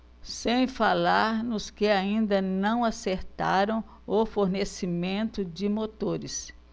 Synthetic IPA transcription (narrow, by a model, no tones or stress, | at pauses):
sẽj̃falaɾnʊskɪaĩnd̪ɐnɐ̃w̃aseɾt̪a̰ɾɐ̃w̃ | ofoɾnesimẽnt̪ʊd͡ʒɪmot̪oɾɪs